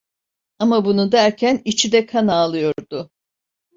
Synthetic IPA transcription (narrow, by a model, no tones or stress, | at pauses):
amabunud̪æɾcʰænit͡ʃʰid̪ɛkʰanaːlˠɯjo̞ɾd̪ʊ